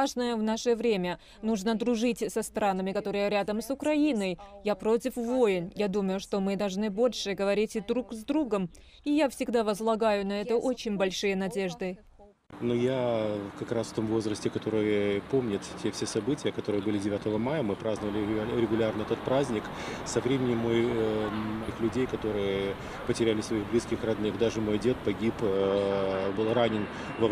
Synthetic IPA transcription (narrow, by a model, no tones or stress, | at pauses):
aʐnəjəvnaʂəvɾʲemʲə | nuʐnəd̪ɾʊʐɨtʲsɐst̪ɾanəmʲɪkɐt̪o̞ɾɨjəɾʲad̪əmsʊkɾɐinəjjapɾo̞tʲɪfvojɪnjad̪uməjʊʂt̪o̞mɨd̪ɐlˠʐnɨbo̞lʲʂɨɡəvɐɾʲitʲɪd̪ɾukzd̪ɾuɡəm | ijafsʲɪɡd̪avəzlˠɐɡajʊnɐɛt̪əʔot͡ɕɪnʲbɐlʲʂɨjənɐdʲe̞ʐd̪ɨ | nujakɐkɾasft̪o̞mvo̞zɾəsʲtʲɪkɐt̪o̞ɾɨjəpo̞mnʲɪt̪tʲʰːefsʲesɐbɨtʲɪjəkɐt̪o̞ɾɨjəbɨlʲɪdʲɪvʲat̪əvəmajəmɨpɾaznəvəlʲɪɾʲɪɡʊlʲarnəɛt̪ət̪̚pɾazʲnʲɪk | sɐvɾʲemʲɪnʲɪmːoj | ɐxlʲʉdʲejkɐt̪o̞ɾɨjə | pətʲɪɾʲælʲɪsvɐiɣblʲiskʲɪxrɐd̪nɨxd̪aʐɨmo̞jdʲe̞t̪̚pɐɡʲip | bɨlˠranʲɪn | vɐ